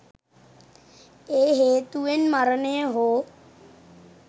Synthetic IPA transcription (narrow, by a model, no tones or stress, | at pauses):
eːɦeːt̪uʋenmaɾənejəɦoː